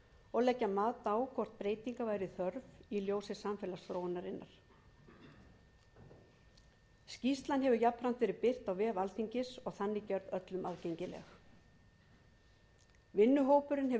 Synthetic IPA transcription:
ɔɣlɛcːamaːt̪awkʰɔr̥t̪̚pɾeːjt̪iŋkavaːjɾɪθœɾviljoːwsɪsːamfɛːlast̪ɾownːaɾɪnːaɾ̥ | scist̪lanɦɛvʏjapɾan̥t̪vɛɾɪpɪr̥t̪awvɛːvalθiɲcɪsɔɣθanːɪcœɾðœt̪lʏmʔaðcejɲcɪlɛ̰x | vɪnːʏɦoːwpʏɾɪnɦɛ

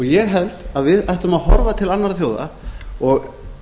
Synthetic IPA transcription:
ɔɣjɛɣɦɛl̥t̪aðvɪðajht̪ʏmaðɦɔɾvat̪ʰɪlanːaɾθjoːwða̰ɔɣ

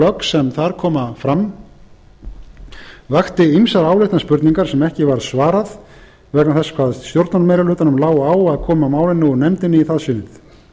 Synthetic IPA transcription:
œksɛmθaɾkʰɔːmafɾam | vaxt̪ɪimsaɾaːwlɪht̪naspʏɾt̪niŋkaɾ̥sɛmɛhcɪvaɾsvaːɾað | vɛhknamθɛsḁkʰvaːðst̪joɾt̪nanmejɾalʏːt̪anʏmlaːwaːwaðkʰɔːmamaːwlɪnːɪuɾnɛmt̪ɪnːɪiθaðsʏnːɪθ

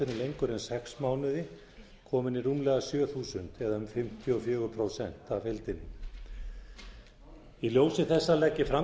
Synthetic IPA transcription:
ɪnɪlejŋkʏɾɛnsɛksmaːwnɪðɪ | kʰɔːmɪniruːmlɛɣasjœːθuːsʏnt̪ɛðaʏmfɪm̥t̪ʰjʏɔfjœːɣʏpʰɾowsɛn̥t̪avfelt̪ɪnːɪ | iljoːwsɪθɛsːalɛcːɪfɾa

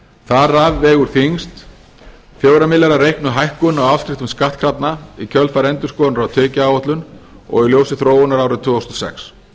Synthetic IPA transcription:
θaɾavːɛːɣʏɾ̥θiŋst̪ | fjowɾamɪlaɾaɾejhknʏɦajhkʏnawafsk̪ɾɪht̪ʏmskaht̪̚kʰɾat̪naicʰœlfaɾɛnt̪ʏskɔːnɾawt̪ʰœːcɪaːwɔht̪lʏn | ɔ̰ɣiljowsɪθɾoːwʏnaɾaːwɾɪt̪ʰvʏːowst̪ɔsɛ̰ks

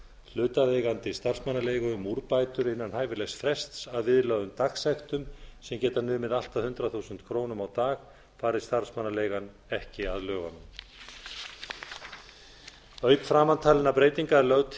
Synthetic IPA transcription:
l̥ʏːt̪aðejɣant̪ɪst̪ar̥smanːaleːjɣʏmːuɾpajt̪ʏɾɪnːanhaːjvɪlɛsfɾɛst̪saðvɪðlœːðʏmt̪aksɛxt̪ʏmsɛmcɛːt̪anʏːmɪðal̥t̪aðhʏnt̪ɾaθuːsʏnt̪kʰɾoːwnʏmawt̪aːɣ | faːɾɪ̥st̪aɾ̥smanːaleːjɣan | ɛhcɪaðlœːɣa̰nʏm | œːɥpfɾaːmant̪ʰaːlɪnapɾeːjt̪iŋkaɾlœɣt̪

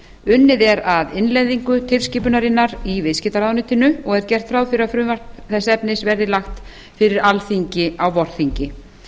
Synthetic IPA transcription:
ʏnːɪðɛɾaðɪnlejðiŋkʏt̪ʰɪlsciːpʏnaɾɪnːaɾivɪscɪt̪aɾawnɪt̪ɪnʏɔɣɛɾ̥cɛr̥t̪fɾaːwfɪɾɪɾafɾʏvar̥t̪ | θɛsːɛpnɪsvɛɾðɪlaxt̪ | fɪɾɪɾalθiɲcɪawvɔɾ̥θiɲcɪ

